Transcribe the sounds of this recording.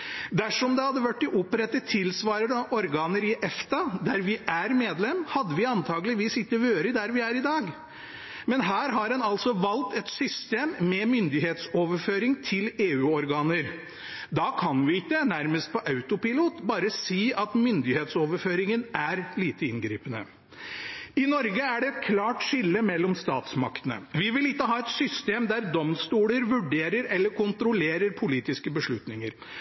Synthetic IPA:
d̪æʂɔmd̪ɛhɑd̪ːəʋæʈːɪʔʊpɾɛt̪ːət̪ʰɪlsʋɑːɾəd̪əʔɔɾɡɑːnəɾɪʔɛft̪ɑd̪æɾʋɪʔæɾmeːd̪lɛmːhɑd̪ːəʋɪɑnt̪ʰɑːɡlɪʋiːsɪkːəʋøːɾəd̪æɾʋɪæɾɪd̪ɑːɡ | mɛnɦæːɾɦɑɾɛnɑlsɔʋɑlt̪ɛt̪sʏst̪eːmːɛmʏnd̪ɪheːt̪soːʋəɾføːɾɪŋt̪ʰɪleːʉːɔɾɡɑːnəɾ | d̪ɑːkʰɑnʋɪɪkːənæɾməst̪̚pɔʔɑʉt̪ʊpɪluːt̪bɑːɾəsiːʔɑt̪mʏnd̪ɪheːt̪soːʋəɾføːɾɪŋənæɾliːt̪əɪnɡɾḭːpənə̰ | ɪnɔɾɡəæɖɛɛt̪̚kʰlɑːʈʂɪlːəmɛlːɔmst̪ɑːt̪smɑkt̪ənə̰ʋɪʋɪlɪkːəɦɑːɛt̪sʏst̪eːmd̪æɾd̪ɔmst̪uːləɾʋʉɖeːɾəɾɛlːəɾkʰʊnt̪ɾʊleːɾəɾpʰʊliːt̪ɪskəbəʂɭʉt̪nɪŋəɾ

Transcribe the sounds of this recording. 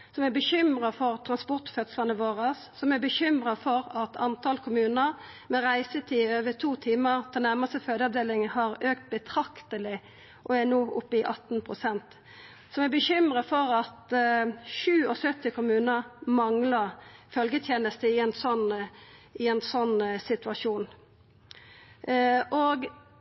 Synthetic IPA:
sɔmæbəçʏmʁɑfɔʁt̪ʰʁɑnspɔʁt̪fœt̪slənəʋoːʁəsːɔmæbəçʏmɾɑfɔʁɑt̪ʰɑnt̪ʰɑlkʰʊmʉːnəʁ | mɛʁæɪsət̪ʰiːøːʋət̪ʰuːt̪ʰiːməʁt̪ʰɛlnæʁmɑst̪əføːd̪əɑʋd̪eːlɪŋhɑʁøːkt̪̚bət̪ʰɾɑkt̪əlɪ | ʔɔænoːʔʊpːəɪʔɑt̪n̩pʰʁʊsɛnt̪ | sɔmɛbəçʏmʁəfɔɾɑt̪ | ʃʉːɔsœt̪ːɪkʰʊmʉːnəʁmɑŋlɑʁfœlɡət̪ʰjeːnəst̪əɪɛnsɔn | ɪɛnsɔnːsɪt̪ʉɑʂuːn | ʔoːɡ

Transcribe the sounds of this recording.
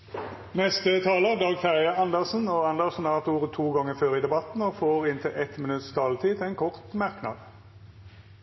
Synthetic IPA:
nɛst̪ət̪ʰɑːləd̪ɑːɡfæʁjəɑnd̪əʁsn̩oːɑnd̪əʁsnɑːt̪uːʁət̪ʰuːɡɑŋəføːʁiːd̪ɛbɑt̪n̩oːfoːʁɪnt̪ʰɪlʔɛt̪mɪnʉt̪st̪ʰɑːlt̪ʰiːt̪ʰɛːnkʰɔʁt̪mɑʁknɑ̰d̪

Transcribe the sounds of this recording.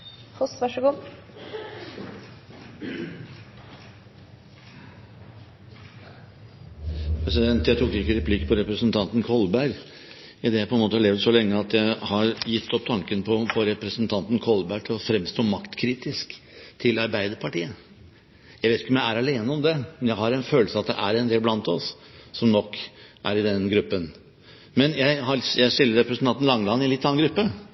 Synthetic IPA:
fʊsʋɑʂəɡuː | pʰɾɛsɪd̪ɛnt̪jæɪt̪ʰuːkɪkːəɾɛpʰlɪkːpʰɔɾɛpɾəsənt̪ʰɑnt̪n̩kʰɔlbæɾ | ɪd̪ɛjæpʰɔɛnmoːt̪əɑleːʋd̪sɔlɛŋːəɑt̪jæɪhɑɾjɪt̪ʰːɔp̚t̪ʰɑŋkənpʰɔpʰɔɾɛpɾəsnt̪ʰɑnt̪ən̩kʰɔlbæʈʰɪlɔfɾɛmst̪oːmɑkt̪kʰɾiːt̪ɪsk | t̪ʰɪlɑɾbæɪd̪əɾpʰɑʈiːə | jæɪʋeːɪkːəɔmjæɪæɾɑleːnəɔmd̪ɛmɛnjæɪhɑɾɛnføːlsəɑt̪̚d̪ɛ̰ʔæɾɛnd̪eːlblɑnt̪ɔsː | ɔmnɔkːʔæɾɪd̪ɛnɡɾʉpːən | mɛnjæɪɦɑjæɪʂɪlːəɾɛpɾəsnɑnt̪n̩lɑŋːlɑnːɪɛnɪt̪ːɑnːnɡɾʉpːə

